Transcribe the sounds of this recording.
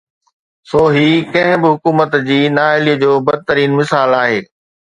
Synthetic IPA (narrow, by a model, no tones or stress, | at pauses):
soːɦikɐ̃ɦɪ̃bɪɦʊkuːmət̪d͡ʑiːnaːɪliːd͡ʑoːbɐd̪̚ʱt̪əɾiːnmɪsaːlaːɦeː